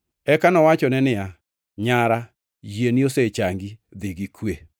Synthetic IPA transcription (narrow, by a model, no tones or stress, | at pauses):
ɛkanɔwat͡ʃɔnɛnɪa | ɲaɾa | jenioset͡ʃaŋɡid̪ɪɡikʰwe